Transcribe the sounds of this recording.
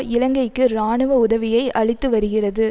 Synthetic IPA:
ʔɪlɐŋɡɐɪkːɯɾaːɳɯʋɐʊðɐʋɪjɐɪʔɐɭɪt̪ːɯʋɐɾɯɣɪrɐðɯ

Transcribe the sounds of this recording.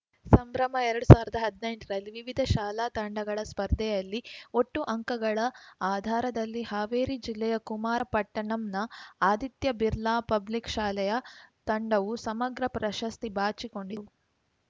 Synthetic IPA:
sɐmbɾɐmɐɛɾɐɽusaːʋuɾid̪ɐɦɐd̪nɐjɳʈɾɐlːiʋiʋid̪ʱɐʃaːlaːt̪ɐɳɖɐɡɐɭɐspɐɾd̪ʱɛjɐlːioʈːuʔɐŋkɐɡɐɭɐaːd̪ʱaːɾɐd̪ɐlːihaːʋeːɾid͡ʒilːɛjɐkumaːɾɐpɐʈːɐɳɐmnɐaːd̪it̪jɐbiɾlaːpɐblikʃaːlɐjɐt̪ɐɳɖɐʋusɐmɐɡɾɐpɾɐʃɐst̪ibaːt͡ʃiko̞ɳɖiu

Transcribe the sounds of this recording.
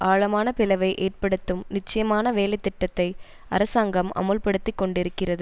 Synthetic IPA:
aːɭɐmaːnɐpɪlɐʋɐɪʔeːr̚pɐɽɯt̪ːɯmnɪt͡ʃːɐjɐmaːnɐʋeːlɐɪt̪ːɪʈːɐt̪ːɐɪ | ɐ̰ɾɐsaːŋɡɐmɐ̰mɐlpɐɽɯt̪ːɪkːɔɳɖɪɾɯkːɪrɐðɯ

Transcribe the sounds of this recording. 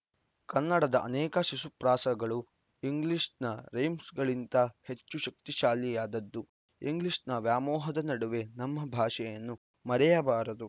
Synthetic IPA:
kɐnːɐɽɐd̪ɐʔɐnɛːkɐʃisupɾaːsɐɡɐɭu | iŋɡliʂnɐɾejmsɡɐɭint̪ɐhe̞t͡ʃːuʃɐk̚t̪iʃaːlijaːd̪ɐd̪ːu | iŋɡliʂnɐʋjaːmɔːɦɐd̪ɐnɐɽuʋe̞nɐmːɐbʱaːʃɛjɐnːu | mɐɾɛjɐbaːɾɐd̪u

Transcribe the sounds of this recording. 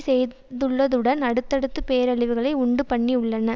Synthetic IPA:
sɛj | ðɯɭːɐðɯɽɐnɐɽɯt̪ːɐɽɯt̪ːɯpeːɾɐɭɪʋɯɣɐɭɐɪʊɳɖɯpɐɳːiʊɭːɐnɐ

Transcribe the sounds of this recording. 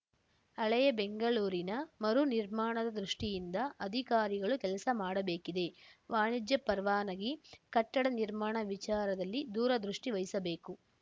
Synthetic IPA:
ɐɭɐjɐbeŋɡɐɭuːɾinɐmɐɾuniɾmaːɳɐd̪ɐd̪ɾuʂʈijind̪ɐɐd̪ʱikaːɾiɡɐɭukɛlɐsɐmaːɽɐbe̞ːkid̪e̞ʋaːɳid͡ʒjɐpɐɾʋaːnɐɡikɐʈːɐɽɐniɾmaːɳɐʋit͡ʃaːɾɐd̪ɐlːid̪uːɾɐd̪ɾuʂʈiʋɐjisɐbe̞ːku

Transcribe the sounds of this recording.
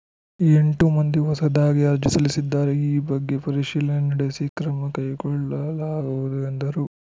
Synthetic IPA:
e̞ɳʈumɐnd̪iɦɔsɐd̪aːɡiɐɾd͡ʒisɐlisid̪ːaːɾeiːbɐɡːe̞pɐɾiʃiːlɐnɐnɐɽesikɾɐmɐkɐjkɔɭːɐlaːɡuʋud̪uend̪ɐɾu

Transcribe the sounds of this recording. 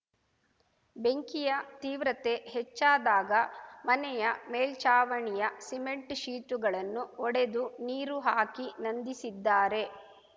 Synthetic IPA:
beŋkijɐt̪iːʋɾɐt̪e̞ɦɛt͡ʃːaːd̪aːɡɐmɐnɛjɐmeːlt͡ʃaːʋɐɳijɐsime̞ɳʈʃiːt̪uɡɐɭɐnːuɔɽe̞d̪uniːɾuɦaːkinɐnd̪isid̪ːaːɾe̞

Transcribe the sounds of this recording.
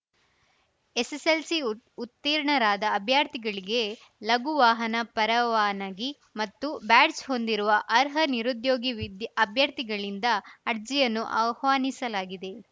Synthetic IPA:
eseselsiut̪ːiːɾɳɐɾaːd̪ɐːbʱjaːɾt̪iɡɐɭiɡe̞ | lɐɡuʋaːɦɐnɐpɐɾɐʋaːnɐɡi | mɐt̪ːubaːɖsɦo̞nd̪iɾuʋɐʔɐɾɦɐniɾud̪jo̞ːɡiʋid̪jɐbʱjɐɾt̪iɡɐɭind̪ɐːɾd͡ʒijɐnːuʔa̰ʋhʋaːnisɐlaːɡid̪e̞

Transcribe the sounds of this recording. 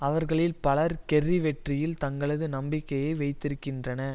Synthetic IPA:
ɐʋɐɾɣɐɭɪlpɐlɐɾkɛrːiʋɛʈrɪjɪlt̪ɐŋɡɐɭɐðɯnɐmbɪkːɐjɐɪʋɐɪt̪ːɪɾɯkːɪndrɐnɐ

